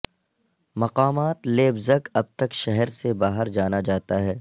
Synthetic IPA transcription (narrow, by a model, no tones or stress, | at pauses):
mɐqaːmaːt̪leːbzəkɐb̚t̪ɐkʃɛɦɛɾsebaːɦəɾd͡ʒaːnad͡ʒaːt̪aɦɛː